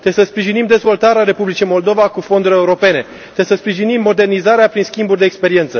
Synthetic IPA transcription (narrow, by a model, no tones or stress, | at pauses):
t̪esəspɾiʒinimd̪e̞zvo̞lt̪aɾeaɾe̞publit͡ʃijmo̞ld̪o̞vakufo̞nd̪uɾʲe̞uɾo̞pe̞ne̞ | t̪esəspɾiʒinimːo̞d̪e̞rnizaɾeapɾinskʲimburʲd̪eːkspe̞ɾie̞nt̪sə